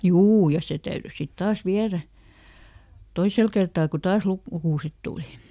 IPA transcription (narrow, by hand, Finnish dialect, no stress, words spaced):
juː jɑ se tæyry sit tɑːs ʋiæræ toisel kertɑː ku tɑːs luk lukuˑset tuˑli